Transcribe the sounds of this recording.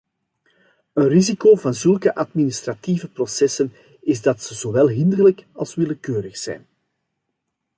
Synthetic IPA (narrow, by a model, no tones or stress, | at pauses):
ənrizikoːvɑnzɵlˠkəʔɑdminɪst̪rɑtivəprosɛsən | ɪzdɑtsəzoʋɛlˠɦɪnd̪ərləkɑlˠsʋɪləkøːɾəxsɛ̰jn